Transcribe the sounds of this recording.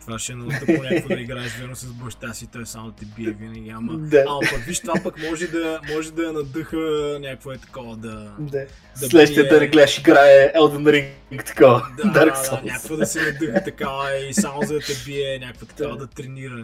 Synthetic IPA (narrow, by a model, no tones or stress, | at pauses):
t̪vaʃɛɛnɐlt̪nʲaaɐiɡɾaɛzvɛɾnosɐzbɐʃt̪asit̪ɔjssamod̪ɐt̪ɛbiɛvinɐɡʲiamɐd̪aɐpɐkviʃt̪vapɐkmɔʒɛd̪ɐmɔʒɛd̪ɐɐnɐd̪əxənʲakvoɛt̪ɐ̥kɔvəd̪ɐd̪a | d̪ɐlɛʃɛjət̪ənɛɡlɛd̪əʃiɡɾaɛɛlˠd̪ənɾiŋ | kt̪ɐ̥kɔvəd̪ad̪aɾksɔnʲak̪ovɐd̪ɐsɛnɐd̪ɯxt̪ɐkavəisamozɐt̪ɛbiɛnʲakovət̪ɐ̥kavɐd̪ɐt̪ɾɛniɾə